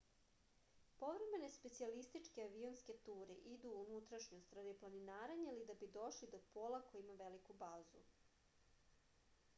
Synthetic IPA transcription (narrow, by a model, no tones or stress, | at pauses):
po̞ʋɾeme̞ne̞spe̞t̪sialist̪it͡ʂkeaʋionske̞t̪uːɾḛʔid̪uːnut̪ɾaʃɲost̪ɾad̪iplˠaninaːɾaɲaalid̪abid̪o̞ʃlid̪o̞poːlˠakojimaʋelikubaːzṵ